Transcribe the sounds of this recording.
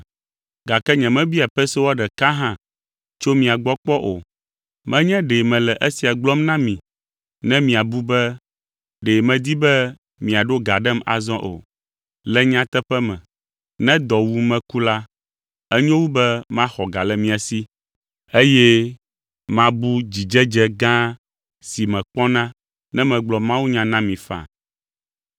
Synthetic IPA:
ɡa˨kɛ˦ɲɛ̃˨mɛ̃˦bi˦a˨ɸɛ˦so˦wɔ˦ɖɛ˨ka˦ɦã˦ | t͡ʃo˦mĩ˨a˨ɡ͡bɔ˦k͡pɔ˦ʔo̰˨ | mɛ̃˦ɲɛ̃˦ɖe˨mɛ̃˨lɛ˨ʔɛ˦si˨a˨ɡ͡blɔ˦mnã˦mĩ˨ | nɛ̃˦mĩ˨a˨bu˦bɛ˦ | ɖe˨mɛ̃˨d̪i˦bɛ˦ | mĩ˨a˨ɖo˦ɡa˨ɖɛ˦ma̰˨zɔ̃˦ʔo̰˨ | lɛ˦ɲã˦t̪ɛ˦ɸɛ˦mɛ̃˨ | nɛ̃˦d̪ɔ˨wu˦mɛ̃˦ku˦la˦ | ɛ˦ɲɔ̃˦wu˦bɛ˦mã˦xɔ˨ɡa˨lɛ˨mĩ˨a˨si˦ | e˦jɛ˦ | mã˦bu˦d͡ʑi˨d͡ʒɛ˦d͡ʒɛ˦ɡã˦ | si˨mɛ̃˨k͡pɔ˦nã˦ | nɛ̃˦mɛ̃˨ɡ͡blɔ˨mã˦wu˦ɲã˦nã˦mĩ˨fa̰˨

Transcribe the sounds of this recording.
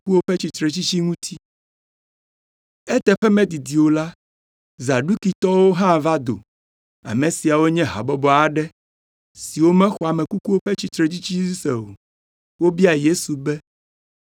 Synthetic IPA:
u˦wo˦ɸɛ˦t͡ɕi˨t̪ɾɛ˨t͡ɕi˦t͡ɕi˦ŋũ˦t̪ʰi˦ | ɛ˦t̪ɛ˨ɸɛ˦mɛ̃˦d̪i˨d̪i˨wo˨la˦ | za˨ɖu˦ki˨t̪ɔ˦wo˦ɦã˦˨va˦d̪o̰˨ | a̰˨mɛ̃˨si˨a˨wo˦ɲɛ̃˦ɦa̰˨bɔ˦bɔ˨a˨ɖɛ˦ | si˨wo˦mɛ̃˦xɔ˨a˨mɛ̃˨ku˦ku˦wo˦ɸɛ˦t͡ɕi˦t̪ɾɛ˨t͡ɕi˦t͡ɕi˦i˦sɛ˨o̰˨ | wo˦bi˦a˨je˦su˨bɛ˦

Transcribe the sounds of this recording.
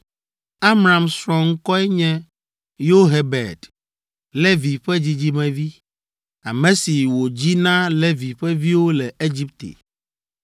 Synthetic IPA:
a˦mɾa˨msɾɔ̃˨ŋ̩˦kɔ˦ɛ˦ɲɛ̃˦ | jo˦ɦe˨bɛ̰˨d | le˦vi˨ɸɛ˦d͡ʑi˦d͡ʑi˦mɛ̃˨vi˦ | a̰˨mɛ̃˨si˨wo˨d͡ʑi˦nã˦le˦vi˨ɸɛ˦vi˦wo˦lɛ˨e˦d͡ʑi˦p̚t̪ḛ˨

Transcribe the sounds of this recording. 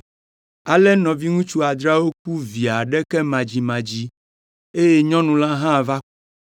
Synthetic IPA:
a˨lɛ˦nɔ̃˨vi˦ŋũ˦t͡ʃu˦a˨d̪ɾa˦wo˦k̚u˦vi˨a˨ɖɛ˦kɛ˦mã˨d͡ʑi˨mã˨d͡ʑi˦ | e˦jɛ˦ɲɔ̃˦nũ˨lã˦ɦã˦˨va˦

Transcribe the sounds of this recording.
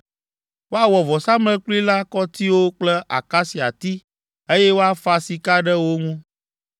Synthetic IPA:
wo˦a˦˨wɔ˨vɔ˨sa˦mlɛ̃˦k͡pli˦la˦kɔ˦t̪i˦wo˦k͡plɛ˦ʔa̰˨ka˦si˨a̰˨t̪i˦ | e˦jɛ˦wo˦a˦fa˦si˨ka˦ɖɛ˦wo˦ŋũ˦

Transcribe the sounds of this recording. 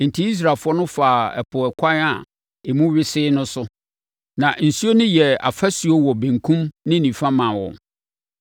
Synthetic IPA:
n̩˨tʰi˦i˦s̬ɾa˨fʊ˦ɔ˦nʊ̃˦faː˨ɛ̰˨pʰʊ˨ɛ˨kʷʰa˦na˨ | e˨mũ˦ɥɪ˦sɪː˦nʊ̃˦sʊ˦ | nã˨n̩˨su˦o˦nʊ̃˦jɛ˨a̰˨fa˦si˨o˦wɔ˨bẽ˨ŋkʰũ˦mnɪ̃˦nĩ˨fã˦mã˨wɔ̰̃˨

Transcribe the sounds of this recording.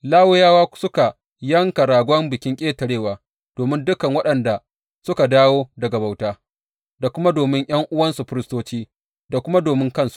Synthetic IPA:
laː˦wʊ˦jaː˦waː˦sʊ˦ka˨ | jɐ˦ŋka˨ɾaː˨ɡʷɔ˦mbɪ˨kʲɪ˦ŋkʲʼeː˦tɐ˨ɽeː˦˨waː˨ | d̥oː˨mɪ˦ndʊ˦kɐ˨ŋwɐ˦ɗɐ˨nda˨ | sʊ˦ka˨daː˦woː˦dɐ˨ɡa˨ba˨wtaː˦ | da˨kʷʊ˦ma˦doː˨mɪ˦ŋʔj̰ɐ˦ŋʔʊ˦wɐ˦nsu˨ɸɪ˦ɾɪ˦stoː˦t͡ʃiː˦ | da˨kʷʊ˦ma˦doː˨mɪ˦ŋkɐ˦˨nsu̥˨ʔ

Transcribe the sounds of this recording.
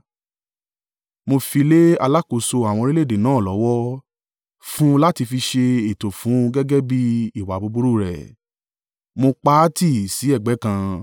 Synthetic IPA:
mo˧fi˧le˦a˧la˦ko˨so˧a˨w̃ɔ̃˧ɾi˦le˦˨de˨nãː˨˦˨lɔ˨˦wɔ˦ | fũ˦la˦ti˧fi˧ʃe˧e˨to˨fũ˨˦ɡɛ˦ɡɛ˦bi˦i˦˨wa˨bo˨˧bu˦ɾu˦˨ɾɛ̰˨ | mo˧k͡pa˦ti˦˨si˨˦ɛ˦˨ɡ͡bɛ˨˦kã˧

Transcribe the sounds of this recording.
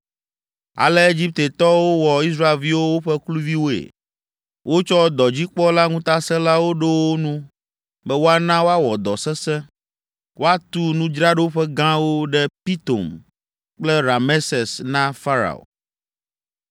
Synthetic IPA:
a̰˨lɛ˦e˦d͡ʑi˦p̚t̪e˨t̪ɔ˦wo˦wɔ˨i˦s̬ɾa˦e˨lvi˦wo˦wo˦ɸɛ˦klu˦vi˦wo˦ḛ˨ | wʔo˦t͡ʃɔ˦d̪ɔ˨d͡ʑi˦k͡pɔ˦la˦ŋũ˦t̪a˦sɛ̃˦la˦wo˦ɖe˦wo˦nũ˦ | bɛ˦wo˦a˦nã˦wo˦a˦wɔ˨d̪ɔ˨sɛ˦sɛ̃˦ | wʔo˦a˦t̪u˦nũ˦d͡ʒɾa˦ɖɛ˦wo˦ɸɛ˦ɡã˦wo˦ɖɛ˦pi˦t̪o̰˨m | k͡plɛ˦ɾa˨me˦sɛ˨snã˦fa˦ɾa̰˨o̰˨

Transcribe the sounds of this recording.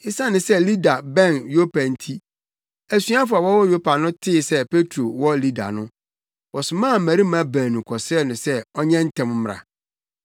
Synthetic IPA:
ɪ˦sa˦nɪ̃˨sɛ˦li˦da˨bɛ̃˦˨njo˦pʰa˨n̩˦tʰi˦ | æ˨sɥa˦fʊ˨a˨wɔ˦wɔ˦jo˦pʰa˨nʊ̃˦tʰɪ˦˨sɛ˦pe˦tʰɾo˨wɔ˦li˦da̰˨nʊ̃˦ | wɔ˨sʊ˨mãː˦˨m̩˨mæ˨ɾi˦ã˦bæ̃ː˨nũ˨kʰɔ˨sɛ˦˨nʊ̃˨sɛ˦ɔ˦ɲɛ̃˦n̩˦tʰɛ̃˨m˦m˨ɾa̰˨

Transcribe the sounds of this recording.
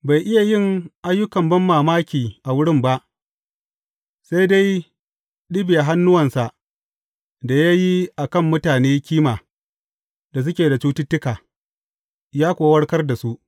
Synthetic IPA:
ba˨jʔɪ˦ja˨jɪ˦˨ŋʔa˦jːʊ˦kɐ˨mbɐ˦mːaː˨maː˦kʲiː˨ʔa˨wʊ˦ɽɪ˦˨mba˦ʔ | sa˦jda˦j | ɗɪ˦bi˨a˨ɦa˦nːʊ˦wɐ˨nsa˨ | da˨ja˦ji˦ʔa˨kɐ˦˨mːʊ˦taː˨neː˦kʲiː˦maː˨ | da˨s̬ʊ˦kʲeː˨da˨t͡ʃu˦tɪ˦tːɪ˦kaː˨ | jaː˦kʷoː˨wɐ˦ɽkɐ˦rda˨su˦ʔ

